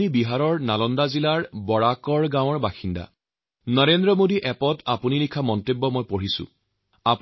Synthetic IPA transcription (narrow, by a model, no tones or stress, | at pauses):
ibiɦaɹɔɹnalɔndazilaɹbɔɹakɔɹɡãw̃ɔɹbaxinda̰ | nɔɹendɹɔmodiʔɛpɔtapuninikʰamɔntebːɔmɔjpoɹisʊ̰̃ | ap